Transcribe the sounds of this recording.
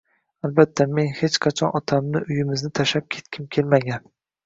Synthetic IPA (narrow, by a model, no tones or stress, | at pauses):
albat̪ʰːame̞nhe̞t͡ʃqʰɑt͡ʃʰɒnɒt̪ʰamnɪʔʊjɪmɪznɪt̪ʰaʃap̚kʲʰe̥t̪̚kʲʰɪmkʲʰe̞lmaɡʲan